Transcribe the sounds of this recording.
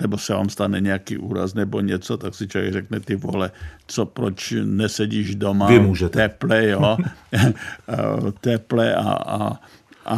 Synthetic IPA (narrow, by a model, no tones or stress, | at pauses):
nɛbosɛva̰ːmst̪anɛɲɛakḭːʔuːɾa̰snɛboɲɛt͡sot̪aksɪt͡ʃovɛɡrɛknɛt̪ɪvo̰lɛt͡sopɾot͡ʃnɛsɛɟiːʒdomaɪmuːʒɛt̪ɛplɛjo | t̪ɛplɛa̰a̰ | a